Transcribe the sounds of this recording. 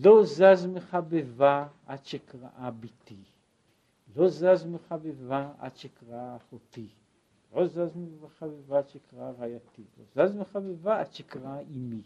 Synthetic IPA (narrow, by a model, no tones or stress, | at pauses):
lozazmeχabeva | at̪ʃekʁa̰ʔabit̪i | lozazmeχabevaa̰t̪ʃekʁaaχot̪i | lozazmeeχabevaʃekʁaaʁajat̪ilo̰zazmeχabevaat̪ʃekʁaaʔimi